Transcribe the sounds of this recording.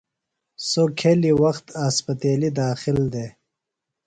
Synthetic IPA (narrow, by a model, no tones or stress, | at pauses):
sokʰeliwɐxt̪aspət̪eːlid̪ɑːxɪld̪e